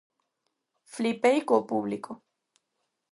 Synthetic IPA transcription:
flipejkopublikʰo

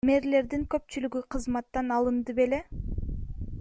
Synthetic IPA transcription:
me̞ɾle̞ɾd̪iŋkø̞p̚t͡ʃylyɡyqʰɯzmɑt̪ːɑnɑlˠɯnd̪ɯpe̞le̞

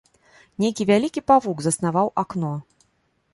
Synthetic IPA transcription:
nʲejkʲivʲalʲikʲipavuɡzɐsn̪avawʔaknɔ

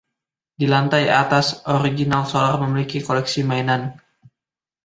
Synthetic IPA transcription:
dilant̪aja̰t̪asʔoɾiɡinalsolarməmilikikolɛksimainan

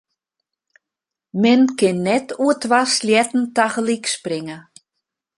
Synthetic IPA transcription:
mɪnkɪnːɛtuətʋasljɛtn̩taɣəliksprɪŋə

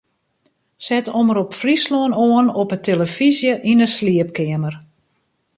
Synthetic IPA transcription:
sɛtɔməɾɔpfrisloənoənɔpətʰeləfizjəʔinəsliəp̚kɪəmər

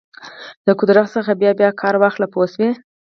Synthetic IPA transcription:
ləkʊd̪ɾaxsəxabjɑbjɑkʰɑɾwaxlaposwi

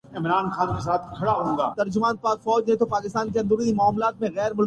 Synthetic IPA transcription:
ɪmɾaːnxaːnkes̬aːt̪ʰkʰɐɽaɦõːɡaːt̪ɐɾd͡ʒʊmaːnpaːɾfɔːd͡ʒɦɛ̃t̪opaːkɪst̪aːnk̬eɐ̃nd̪əɾiimʊaːmlaːt̪mẽɣɛːɾmʊl

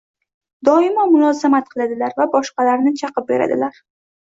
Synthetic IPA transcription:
d̪ɒɪmamʊnɒzamat̪̚qʰɨlˠad̪ɪlaɾvabɒʃqɑlaɾnɪt͡ʃʰɑqɨp̚be̞ɾa̰d̪ɪ̰laɾ

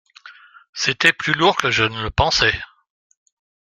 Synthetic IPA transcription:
set̪ɛplyluʁkəʒənələpɑ̃sɛ

